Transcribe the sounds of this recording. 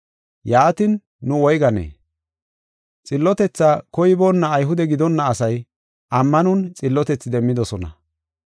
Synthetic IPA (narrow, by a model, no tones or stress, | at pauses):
jaːt̪ɪnː | ʊwɔjɡɐnḛː | t͡sʼɪlːɔt̪ɛt͡sːaːkɔjɪboːnːɐːjɦʊd̪ɛɡɪd̪ɔnːɐːsɐj | ʔɐmːɐnʊnt͡sʼɪlːɔt̪ɛt͡sːɪd̪ɛmːɪd̪ɔsɔnɐ̰